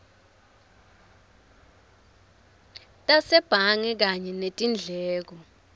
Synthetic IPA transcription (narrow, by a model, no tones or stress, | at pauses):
tʼasɛb̥ʱaŋɛk̬aɲɛnetʼind͡ɮʱɛːk̬ɔ